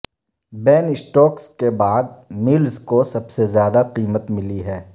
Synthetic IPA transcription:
bɛːnɪsʈɔːkskebaːd̪̚mɪlzkosɐbsezjaːd̪aqiːmət̪mɪliɦɛː

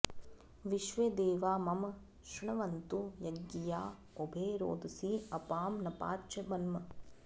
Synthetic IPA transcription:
ʋiʃʋed̪eːʋaːmɐm | ʃɐɳɐʋɐnt̪ujɐɡːijaː | obʱeːɾo̰ːd̪ɐsiɐpaːmnɐpa̰ːt͡ʃɐbɐnmɐ

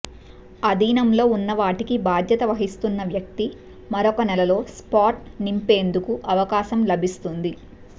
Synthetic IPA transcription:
ɐd̪iːnɐmlo̞ːunːɐʋaːʈikibaːd̪ʱjɐt̪ɐʋɐɦist̪unːɐʋjɐk̚t̪i | mɐɾɔkɐnɛlɐlo̞ːspaːʈnimpe̞ːnd̪ukuʔɐʋɐkaːʃɐmlɐbʱist̪und̪i

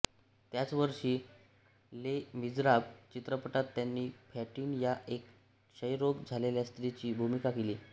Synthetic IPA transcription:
t̪jat͡sʋəɾʂiː | lemid͡zɾabt͡ɕit̪ɾəpəʈat̪ːjanːiːfʰæʈiːnjaʔek | ɕəjɾoɡd͡zʱaleljast̪ɾit͡ɕiːbʱumikakeliː

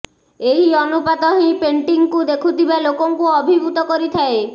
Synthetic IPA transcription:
eɦiɔnupat̪ɔɦĩpeɳʈiŋkud̪ekʰut̪ibalokoŋkuɔbʱibʱut̪ɔkoɾit̪ʰae

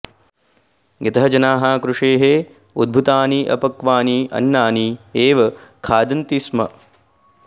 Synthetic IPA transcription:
ɡɐt̪ɐɦɐd͡ʒɐnaːɦaːkɾuʂeːɦe | ud̪̚bʱut̪aːniʔɐ̰pɐkʋaːniɐ̰nːaːnieːʋɐkʰaːd̪ɐnt̪ismɐ̰

